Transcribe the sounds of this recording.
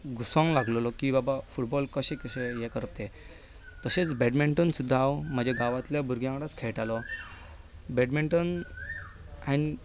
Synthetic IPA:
ɡusãŋɡlaɡlɔlɔkibabafuʈbɔlkəɕẽkəɕejekəɾəp̚t̪e | t̪əɕet͡sbeɖmeɳʈənsud̪ʱːaːwm̤əd͡ʑeɡaʋat̪ljabʱuɾɡjãŋkɽat͡skʰeʈalɔ | beɖmeɳʈən | ani

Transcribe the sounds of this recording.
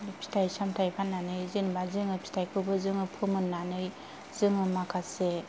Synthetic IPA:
pʰi̥tʰajsamtʰajpʰanːanɯjzɯnbazɯŋɯpʰi̥tʰajkʰɯbɯzɯŋɯpʰɯmɯnːanɯj | z̥ɯŋɯmakʰase

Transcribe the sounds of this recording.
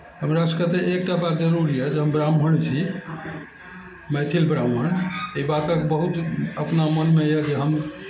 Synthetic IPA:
ɦəmɾaskət̪eʔek̚ʈəbad͡ʒəɾuɾiɛd͡ʒeɦəmbɾambʱəɳt͡ʃʰi | mɛt̪ʰilbɾamɦəɳeibat̪əkbəɦut̪əpnamənmeɛd͡ʒeɦəm

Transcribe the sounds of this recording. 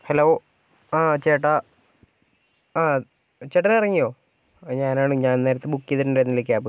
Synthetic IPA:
heloː | t͡ɕeːʈːa | t͡ɕeʈːɐnɐrɐŋːijo̞ː | ɲaːnaːɳɨɲaːnne̞ːɾɐt̪ːebukːijɐðiɾuɳɖenːilik̬ʲːaːpɨ

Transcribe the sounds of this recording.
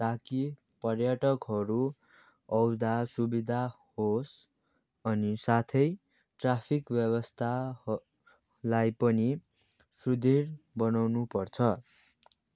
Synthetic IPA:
t̪aki | pʌrjaʈʌkɦʌɾu | ʌwd̪asubid̪ʱa | hos | ʌnisat̪ʰʌj | ʈrapʰikbjʌβʌst̪ʰa | lajpʌni | sud̪ʱirbʌnawnupʌrt͡sʰʌ

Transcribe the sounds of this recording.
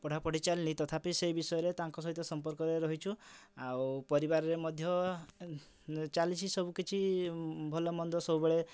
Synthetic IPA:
pɔɽ̤apɔɽ̤it͡ʃalinit̪ɔt̪ʰapiseibisɔjɔɾet̪aŋkɔs̬ɔɦit̪ɔsɔmpɔɾkɔɾeɾɔɦit͡ʃʰuawpɔɾibaɾɔɾemɔd̪ʱjɔ | t͡ʃalit͡ʃʰisɔbukit͡ʃʰibʱɔlɔmɔnd̪ʱɔsɔbubeɭe

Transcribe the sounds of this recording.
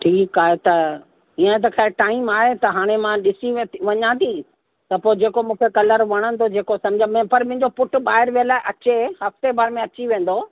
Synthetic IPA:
ʈʰiːkaːɦet̪ɐ | iə̃t̪̬ɐkʰaːɪʈaːimaːɦet̪ɐɦaːɽ̃emãɗɪsiʋɐɲãt̪ʰi | t̪ɐpoːed͡ʑeːkomũːkʰekɐləɾʋɐɽ̃ə̃nd̪od͡ʑeːkosɐ̃md͡ʑãm̃pɐɾmʊ̃ɦɪ̃ɲd͡ʑopʊʈɓaːɦɪəɾʋijəlaːeʔɐt͡ɕehɐft̪ebaːɾmẽɐt͡ɕiʋẽːn̆d̪o

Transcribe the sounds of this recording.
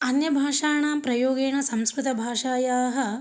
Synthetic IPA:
ɐnjɐbʱaːʂaːɳaːmpɾɐjoːɡeːɳɐsɐmskɾut̪ɐbʱaːʂaːjaːɦɐ

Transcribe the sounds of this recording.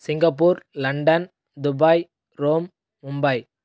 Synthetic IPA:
sɪŋɡɐpːuːɾlɐɳɖɐn | d̪ʊbaːj | ɾoːm | ʊmbɐj

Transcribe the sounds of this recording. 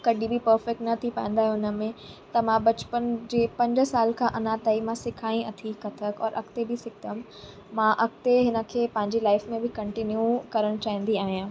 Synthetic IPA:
kɐɗibʱɪpɐɾfɛk̚ʈnɐt̪ʰipɐ̰̃ɪ̃n̆d̪aːɦɛʊnəmẽt̪ɐmãbɐt͡ɕpənd͡ʑeːpɐ̃ɲd͡ʑsaːlkʰãːʔɐnaːt̪aːimãsɪkʰaːĩɐt̪ʰikɐt̪ʰəkɔ̰ːɾʔɐ̰kt̪ebɪsɪkt̪əm | mãʔɐk̚t̪eɦɪnə̆kʰeːpɐ̃ɦɪ̃ɲd͡ʑelaːɪfmẽbɪkɐ̃ɳʈɪnjukɐɾəɽ̃t͡ɕaːɦĩnd̪iaːɦijãː

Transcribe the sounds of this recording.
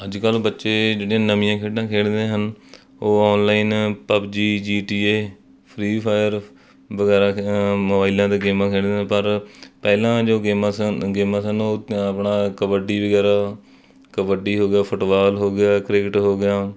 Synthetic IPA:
əd͡ʒkəlbətːʃeːd͡ʒeːɽɪjãːnəmɪ̃jãːkʰeːɖãːkʰeːɽd̪ẽːɦən | oːɔːnlaːiːnpəpd͡ʒiːd͡ʒiːʈiːeː | pʰɾiːpʰaːjəɾ | ʋəɡɛːɾãːməbaːilãːd̪eːɡeːmãːkʰeːɽd̪eːpəɾpɛːlãːd͡ʒoːɡeːmasɡeːmãːsənoːəpɳaːkəʋəɖiːʋəɡɛːɾaː | kəʋəɖiːɦoːɡɪjaːpʰʊʈʋaːlɦoːɡɪjaːkɾeːkɪʈɦoːɡɪjaː

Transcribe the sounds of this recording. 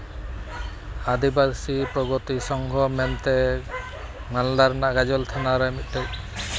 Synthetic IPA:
ad̪ibasipɾɔɡɔt̪isɔŋɡʱɔmɛnt̪ɛ | manlaɾnaʔɡad͡ʒɔlt̪ʰanaɾɛmit̪̚ˀʈɛ

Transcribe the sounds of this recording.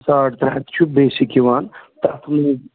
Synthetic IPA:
saːʈt̪ɾat̪t͡ʃʰubeːsikiʋaːnt̪at̪ʰme

